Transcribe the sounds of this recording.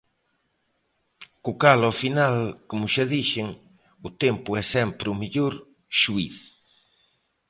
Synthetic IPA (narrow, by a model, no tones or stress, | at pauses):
kʊkalɔfinalkomʊʃaðiʃɪŋ | ʊt̪empʊɛsɛmpɾʊmeʎoɾ | ʃuiθ